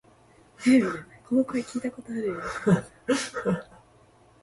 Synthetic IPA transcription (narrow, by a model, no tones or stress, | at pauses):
zebɯd̪kʰonokoekʲʰiːt̪ako̞t̪oaɾɯ̟jo